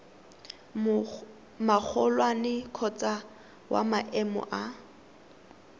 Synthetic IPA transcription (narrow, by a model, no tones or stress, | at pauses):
mak͡xʰɔlwanɪkʰɔt͡sʼa | wa̰maʔɛmɔ̰ʔa